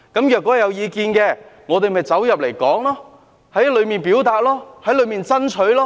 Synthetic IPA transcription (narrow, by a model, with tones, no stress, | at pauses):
kɐ˨˥mjœː˨˩kːɔː˨˥˨jɐ˨˧wjiː˨˧kiː˧nkɛː˧ŋɔː˨˧t̪̬e˨jmɐ˨jt͡sɐ˨˥wjɐ˨p̚le˨˩jkɔː˨˥ŋlɔː˥ | hɐ˨˥jɐ˥lɵ˨˧ɥmiː˨npiː˨˥wt̪aː˨˧t̚lɔː˥hɐ˨˥jlɵ˨˧ɥmiː˨nt͡sɐ˥nt͡ʃʰɵ˨˥ɥlɔː˥